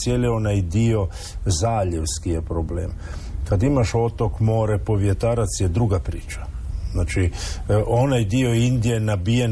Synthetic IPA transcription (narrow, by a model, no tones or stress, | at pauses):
sjelio̞najd̪io | zaːʎewskijepɾoblḛːm | kad̪imaʃo̞t̪okmoːɾepo̞ʋjet̪aːɾat̪sjed̪ɾuɡapɾḭːt͡ʃḁznaːt͡ʃiʔo̞najd̪io̞ind̪ijenabijen